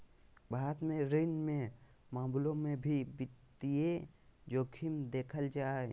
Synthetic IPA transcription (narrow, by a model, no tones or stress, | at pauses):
bʱaːɾət̪mẽɾɪnmẽ | mãːmblõmẽbʱibɪt̪ied͡ʒoːkʰɪmd̪eːkʰəld͡ʒaː